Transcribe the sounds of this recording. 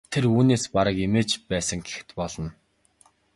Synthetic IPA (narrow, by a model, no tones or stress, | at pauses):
t̪ʰeruːneːspaɾə̆kemeːt͡ɕpæːsə̆ŋɡe̥xt̪pɔɮɞ̆n